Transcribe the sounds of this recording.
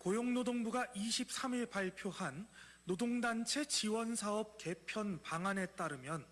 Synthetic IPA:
kojoŋnodoŋbuɡaʔiɕʰip̚s͈amiɭpaɭpʰjohanː | odoŋdant͡ɕʰe̞t͡ɕiwʌnsʰaʌp̚ke̞pʰjʌnpaŋane̞t͈aɾɯmjʌn

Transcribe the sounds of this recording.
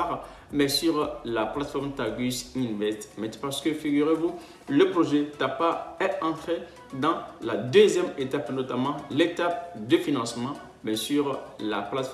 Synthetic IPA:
ʁ | mɛsyʁlaplat̪fɔʁmt̪aɡysĩnvɛst̪mɛ̃t̪paʁsə̥kəfiɡyʁevu | ləpχoʒɛt̪apaɛɑ̃t̪χe | d̪ɑ̃lad̪øzjɛmet̪apnot̪amɑ̃let̪ap̚d̪əfinɑ̃smɑ̃ | mɛsyʁla̰plat̪f

